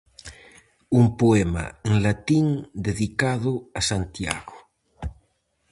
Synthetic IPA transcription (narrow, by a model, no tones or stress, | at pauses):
umpoema̰eŋlat̪iŋd̪eðikaðʊasant̪ja̰ɣo